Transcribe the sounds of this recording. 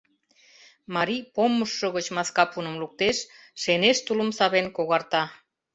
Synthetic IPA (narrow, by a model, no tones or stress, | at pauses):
mɑɾipomːəʃːəɣət͡ɕmɑskɑpunə̆mluk̚t̪eʃ | ʃeneʃt̪uləmsɑβenkoɣɑrt̪ɑ